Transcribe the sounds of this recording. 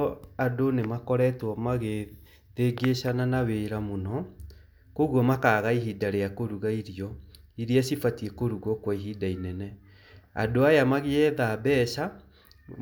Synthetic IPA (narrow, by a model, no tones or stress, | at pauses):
adonemakɔɾɛtwɔmaɣe | ðeɡeʃananaweɾamonɔ | koɣwɔmakaːɣaiɦidaɾeakoɾuɣaiɾiɔiɾiasifatiekoɾuɣɔkwaiɦidainɛnɛ | a̰doajamaɣeɛðabɛʃa